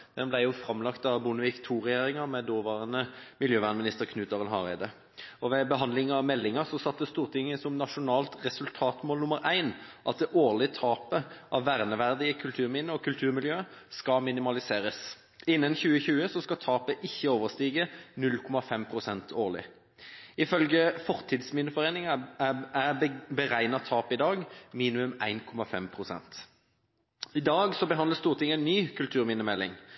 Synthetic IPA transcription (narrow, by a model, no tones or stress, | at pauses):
d̪̥ɛnblæɪjʊfɾɑmlɑkt̪ɑʋbʊnəʋɪkt̪ʰuːʁɛjeːʁɪŋəʁmɛd̪oːʋɑːʁənəmɪljøːʋæʁnəmɪnɪst̪əʁkʰnʉːt̪ɑʁənɦɑʁæɪd̪ə | ɔʋɛbəɦɑnd̪lɪŋɑʋmɛlːɪŋɑʁsɔsɑt̪̚d̪ɛst̪uːʁt̪ʰɪŋːəsɔmnɑʂʊnɑːlt̪ʁɛsʉlt̪ʰɑːt̪moːlnʊməɾʔæɪnʔɑt̪̚d̪ɛʔoːʁlɪət̪ʰɑːpəʔɑʋʋæʁnəʋæʁd̪ɪəkʰʉlt̪ʰʉːʁmɪnːəɔkʰʉlt̪ʰʉːʁmɪljøːskɑmɪnɪmɑlɪseːɾəs | ɪnːənçʉːəçʉːəsɔskɑt̪ʰɑːpəʔɪçːəoːʋəʁst̪iːɡənʉlkʰɔmɑfɛmpʰʁʊsɛnt̪ʰoːʁlɪ̰ | ɪfœlɡəfɔʁt̪ʰɪd̪smɪnəfɔʁeːnɪŋɑæbəʁæɪnɑt̪ʰɑːpɪd̪ɑːɡmiːnɪʉmæɪnkʰɔmɑfɛ̰mpʰʁʊsɛ̰nt̪ | ɪd̪ɑːɡsɔbəɦɑnd̪ləst̪uːʁt̪ʰɪŋːæɪnːyːkʰʉlt̪ʰʉːʁmɪnəmɛlːɪ̰ŋ